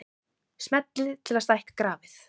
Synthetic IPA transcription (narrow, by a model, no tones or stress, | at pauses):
smɛt̪lɪt̪ʰɪlast̪ajhkḁkɾaːvɪθ